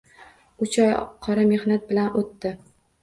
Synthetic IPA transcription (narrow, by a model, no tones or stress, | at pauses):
ʊt͡ʃʰɒjqʰɒɾame̞hnat̪̚bɪlanot̪ːɪ